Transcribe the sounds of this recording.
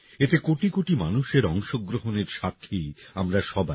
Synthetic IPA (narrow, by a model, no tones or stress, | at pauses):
et̪ekoʈikoʈimanuʃeɾɔŋʃoɡɾoɦoneɾʃakʰːiamɾaʃɔba